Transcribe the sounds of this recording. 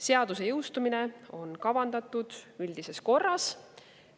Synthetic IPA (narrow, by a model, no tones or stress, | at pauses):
se̞ɑd̪use̞jɤwst̪umine̞o̞nkɑvɑnd̪ɑt̪ːˑud̪̥ylʲd̪̥ise̞sko̞rːɑs